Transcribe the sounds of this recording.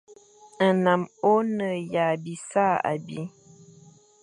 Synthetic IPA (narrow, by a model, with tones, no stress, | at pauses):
na˨mo˦nə˨ja˨bi˨sa˦˨a̰˨bḭ˦